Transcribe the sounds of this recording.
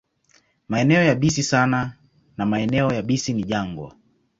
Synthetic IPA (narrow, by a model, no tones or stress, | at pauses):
maɛnɛɔjaɓisisana | namaɛnɛɔjaɓisiniʄaŋɡwɔ̰